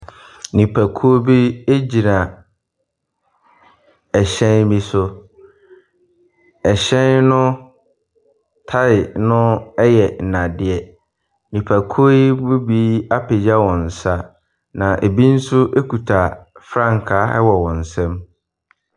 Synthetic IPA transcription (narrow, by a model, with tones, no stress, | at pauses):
nĩ˨pʰæ˨kʰu˦o˦bi˦e˦d͡ʑi˨nã˨ | ɛ˨ɕɛ̃˦nbi˦sʊ˦ | ɛ˨ɕɛ̃˦nnʊ̃˦ | tʰa˦ɪ˨nʊ̃˦ɛ˦jɛ˨n̩˨nã˨dɪ˦ɛ˦ | nĩ˨pʰæ˨kʰo˦i˦bu˦biː˦a˦pʰe˨d͡ʑa˦wɔ̃˨n̩˨sa˦ | nã˨ʔe˨bi˦n̩˦sʊ˦ʔe˦ku˨tʰa˨fɾã˦˨ŋ˨kʰa˦ɛ̰˦wɔ˨wɔ̃˨n̩˨sɛ̃˦m